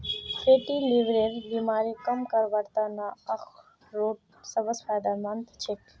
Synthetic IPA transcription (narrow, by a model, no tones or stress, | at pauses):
fʰeːʈiliʋɾeɾbiːmaːɾikɐmkɐɾʋɐɾt̪aːnaɐx | ɾoːʈ | sɐbəspʰaːɖamɐnt̪ʰt͡ʃʰek